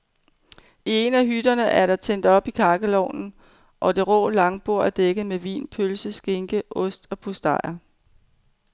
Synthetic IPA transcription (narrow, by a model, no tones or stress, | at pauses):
ie̝næɦyd̥ɐnəʔæɐɾɑ̈t͡sʰen̰d̥ɒ̽b̥ikʰɑ̈ːɡ̥əlɒʊ̰nn̩ | ʔɒ̽d̥e̝ʁɔ̰̽ːlɑ̈ŋb̥o̝ɐ̰æɐd̥eɡ̥ð̩ˠmeʋḭːnpʰølsəsɡ̥e̝ŋɡ̥əʔɔ̽sd̥ɒ̽pʰusd̥ɑ̰̈ɪ̰ɐ